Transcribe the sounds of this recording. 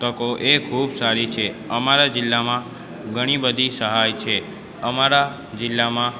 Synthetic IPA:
t̪əkoʔekʰubsaɾit͡ʃʰeəmaɾad͡ʒɪlːamã | ɡʱəɽ̃ibəd̪ʱisəɦajt͡ʃʰe | əmaɾa | d͡ʒɪlːamã

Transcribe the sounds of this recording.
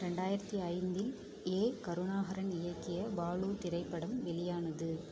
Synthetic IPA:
ɾɛɳɖaːjɪɾɐt̪ːiɐɪnd̪ɪl | eːkɐɾɯɳaːɣɐɾɐnɪjɐkːɪjɐbaːɭut̪ɪɾɐɪpːɐɽɐmʋɛlɪjaːnɐðɯ

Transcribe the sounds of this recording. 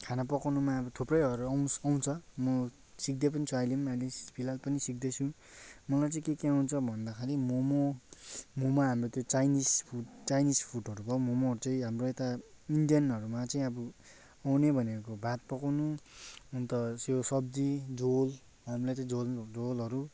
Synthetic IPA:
kʰanapʌkawnumaʌbʌt̪ʰuprʌjʌɾuʌwsaw̃t͡sʰʌmʌ | sik̚d̪ep̬ʌnit͡sʰuajlimajlispʰilalpʌnisik̚d̪et͡sʰũ | mʌlajt͡sʌ̃ĩkekeawnt͡sʰʌbʱʌnd̪akʰaɾimomo | momaɦamrot̪jot͡sajnispʰuʈt͡sajnispʰuʈʌɾubʱʌomomoɦʌɾut͡sʌ̃ĩɦamroet̪a | iɳɖijʌnʌɾumat͡sʌĩʌbʌ | awnebʱʌnekobʱat̪̚pʌkawnuunt̪ʌsjosʌb̚d͡zid͡zol | ɦamilat͡sʌĩold͡zolɦʌɾu

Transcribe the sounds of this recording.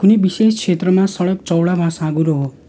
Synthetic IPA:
unibiseskʰet̪ɾəmãsʌɭʌk̚t͡ʃɔwɭabʱãsãɡuɾoɦo

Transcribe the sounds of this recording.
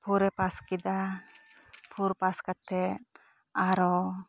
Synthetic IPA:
pʰuɾɛpaskid̪a | pʰuɾpaskat̪ɛt̪̚ | aɾɔ

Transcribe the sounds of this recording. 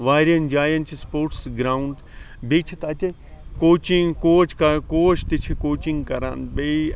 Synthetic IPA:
ʋaːɾiɐnd͡ʒaːjɐnt͡ʃispoːɾʈsɡɾaːuɳɖ | biːt͡ʃʰit̪ɐt̪e | koːt͡ʃiŋkoːt͡ʃkɐkoːt͡ʃʰt̪it͡ʃʰikoːt͡ʃiŋɡkɐɾa̰ːnbei

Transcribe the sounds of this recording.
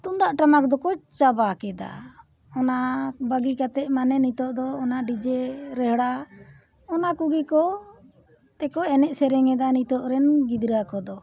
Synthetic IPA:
t̪und̪aʔʈamakd̪ɔkɔt͡ʃabakɛd̪a̰ | ɔnabəɡikat̪ɛʔ̚manɛnit̪ɔʔd̪ɔːnaʔɖid͡ʒɛɾɛɦɽa | ɔnakuɡikɔ | t̪ɛkɔɛnɛʔsɛɾɛŋɛd̪anit̪ɔʔɾɛnɡid̪ɾəakɔd̪ɔ

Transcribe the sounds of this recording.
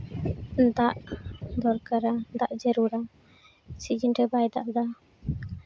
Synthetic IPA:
d̪aʔd̪ɔɾkaɾad̪aʔd͡ʒɛɾuɾa | sid͡ʒinʈɛbajd̪aʔd̪a

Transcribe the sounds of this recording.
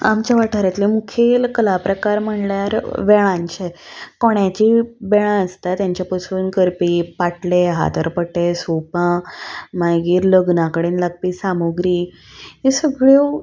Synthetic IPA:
a̰mt͡ɕaʋaʈʰəɾat̪limukʰelkəlapɾəkaɾm̤əɳljaɾʋɛɭ̃ãɲt͡ɕekoɳjãt͡ɕiːbɛɭãəst̪at̪jãɲt͡ɕjapəsʋunkəɾpipaʈleɦa̰t̪əɾpəʈːesopãmaɡiːɾləɡnãkəɽenlaɡ̚piːsamoɡɾiː | ɦesəɡɭe

